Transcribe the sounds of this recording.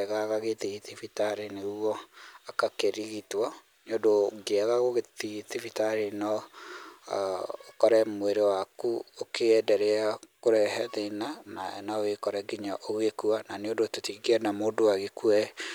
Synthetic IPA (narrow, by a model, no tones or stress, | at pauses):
ɛɣaɣaɣeðiitifitaɾenewɔakakeɾiɣitwɔ | neodoɡeaɣaɣoɣeðiitifitaɾenɔ | okɔɾɛmweɾewakuokʰeɛdɛɾeakoɾɛhɛðenanaɛnawekɔɾɛɡiɲaʔoɣekuananeondototiɡɛnamoːdowaɣekuɛ